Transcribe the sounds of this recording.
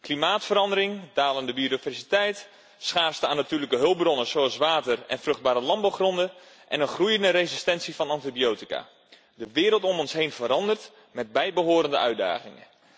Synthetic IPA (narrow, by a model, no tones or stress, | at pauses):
klimaːtfəɾɑndəɾɪŋdaːləndəbiodivɛrsitɛjt | sχaːrstəaːnatyːrləkəɦɵl̚ˠbrɔnəsoɑlˠsʋaːtərɛ̰nfrɵχd̚baːɾəlɑmbawχrɔndə | ʔɛ̰nənχrujəndəɾezistɛnsivɑnɑntibiowtika̰ː | dəʋɪːɾəlˠtɔmɔnsɦejnvəɾɑndərt | mɛd̚bɛjbəɦoːɾəndəœɥda̰ːχɪŋə̰